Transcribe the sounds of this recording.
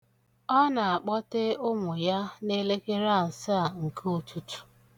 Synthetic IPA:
ɔ˦na˨a˨k͡pɔ˦te˦ʊ˦ŋʊ˨ja˦ne˦le˦ke˦ɾa˦˨sa˦a˦˨ŋ̩˨kʰo˦tu˦tu̥˨

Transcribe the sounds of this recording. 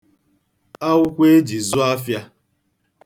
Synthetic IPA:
a˦ʊ˦kʷe˦e˦d͡ʒi˨zʊ˦a˦fja˦

